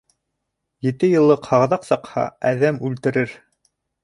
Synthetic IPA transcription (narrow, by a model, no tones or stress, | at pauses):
jɘ̆t̪ɘjɤ̆lˠːɤqhɑʁðɑqsɑqhɑ̰æðæmʉlt̪ɘ̆ɾɘɾ